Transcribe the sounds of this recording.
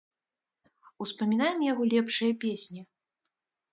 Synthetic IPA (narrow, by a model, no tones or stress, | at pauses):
uspɐmʲinajɛmjaɣɔlʲɛpʂɨjɐpʲesʲnʲi